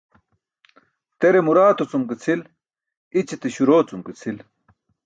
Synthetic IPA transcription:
t̪eɾemuɾaːt̪ot͡sumket͡sʰil | it͡ɕet̪eɕuɾoːt͡sumket͡sʰil

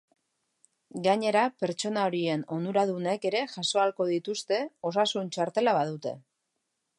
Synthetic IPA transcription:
ɡaɲe̞ɾape̞ɾt͡ʃo̞naoɾie̞no̞nd̪uɾaðune̞ke̞ɾe̞ʝaso̞alko̞ð̞it̪ust̪e̞o̞s̬asunt͡ʃaɾt̪e̞laβaðut̪e̞̰

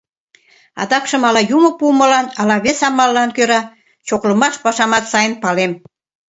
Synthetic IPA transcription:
ɑ̰d̪ɑkʃəmɑlɑjuməpumə̆lɑnɑlɑβesɑmɑlːɑnkøɾɑ | t͡ɕoklə̆mɑʃpɑʃɑmɑt̪sɑjənpɑlem

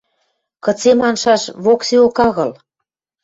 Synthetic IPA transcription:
kɤ̆t͡semɑnʃɑʃβokseokɑɣɤ̆l

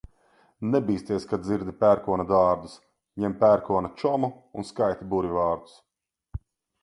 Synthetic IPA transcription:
nɛbiːst̪iɛskad̪ziɾd̪ipʲæːɾkuɔnad̪aːɾd̪us | ɲɛmpʲæɾkuɔnat͡ʃɔmu | unskajt̪ibuɾʲivaːɾd̪u̥s

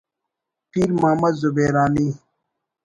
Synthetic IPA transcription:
piːɾmaːmɐzubeːɾaːniː

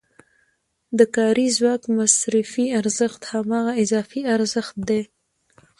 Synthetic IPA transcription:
d̪əkɑɾizwɑkmasɾɪfiaɾzəxt̪hamɑɣaɪzɑfiaɾzəxt̪̚d̪e

